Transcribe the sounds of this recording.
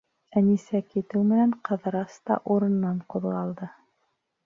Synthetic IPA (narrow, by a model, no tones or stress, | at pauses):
ænisækit̪ɘwmɘ̆næɴqɤ̆ðɾɑst̪ɑ̰ʔuɾɤ̆nːɑɴquðʁɑlˠd̪ɤ